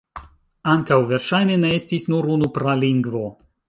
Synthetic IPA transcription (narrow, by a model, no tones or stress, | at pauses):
aŋkawve̞ɾʃajne̞ne̞e̞stisnuɾunupɾaliŋɡvo̞